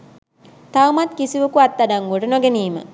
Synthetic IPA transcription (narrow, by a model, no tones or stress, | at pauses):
t̪awmat̪kisiʋəkuat̪ːadaŋɡoʈənoɡeniːmə̰